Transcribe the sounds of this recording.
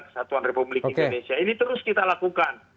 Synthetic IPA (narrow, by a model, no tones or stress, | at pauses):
kə̥sat̪uanrepublikoindonesiainit̪əɾʊskit̪alakukan